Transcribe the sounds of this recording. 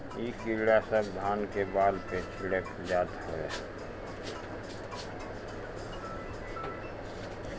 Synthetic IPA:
iːkiɽasəbd̪ʱaːnkebaːlpet͡ʃʰiɽek | d͡ʒaːd̪hoḛ

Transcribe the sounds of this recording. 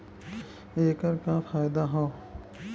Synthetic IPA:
eːkəɾkafaːjɪd̪aɦõː

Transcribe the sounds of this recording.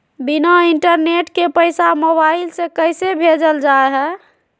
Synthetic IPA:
binaiɳʈəɾneʈkepəɪsamobailsẽkəjsebʱed͡ʒəld͡ʒaeɦɛ

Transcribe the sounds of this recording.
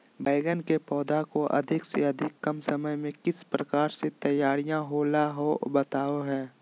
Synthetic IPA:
baːɪɡənkepɔːd̪akoʔɐ̰d̪ʱɪkseɐd̪ʱɪkːɐmsəməjmẽkɪspɾəkaːɾset̪əjːaːɾijãɦolaɦobət̪aːoɦɛ̃ː

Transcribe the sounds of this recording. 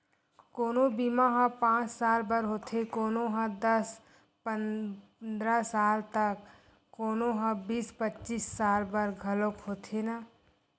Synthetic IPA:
koːnobimaɦãpãːt͡ʃsaːlbəɾɦoːt̪ʰekoːnoɦãd̪əs | pənd̪ɾasaːlt̪ək | kːoːnoɦãbiːspətːt͡ʃisːaːlbəɾɡʱəlokɦoːt̪ʰena

